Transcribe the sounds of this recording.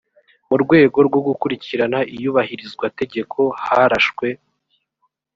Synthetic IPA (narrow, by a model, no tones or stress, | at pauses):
muɾɡwe̞ːɡo̞ɾɡwo̞ɡukuɾiciɾanaʔijuβahiɾizɡwate̞ɟe̞kʰo̞haɾaʃkwe̞